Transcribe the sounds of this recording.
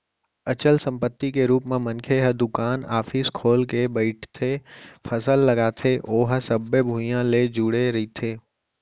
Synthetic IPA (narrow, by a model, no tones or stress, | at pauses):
ɐt͡ʃəlsə̃mpət̪ːikeɾuːpmẽmə̃nkʰeɦəd̪ʊkaːnaːfʰɪskʰoːlkebəɪʈʰt̪ʰepʰəsəlːɐɡaːt̪ʰeʔoːɦəsəbːebʱũːjãled͡ʒuːɽeɾɐit̪ʰeː